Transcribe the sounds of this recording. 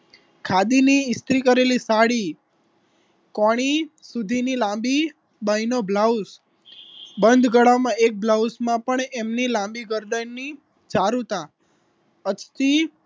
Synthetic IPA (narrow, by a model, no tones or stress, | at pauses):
kʰad̪iniɪst̪ɾikəɾelisaɽi | kɔɽ̃isud̪ʱinilãmbi | bainobʱlaus | bənd̪ʱɡəɭamãek̚blausmãpəɳemnilãmbiɡəɾɖənnːi | t͡ʃaɾut̪ã | ət͡ʃt̪i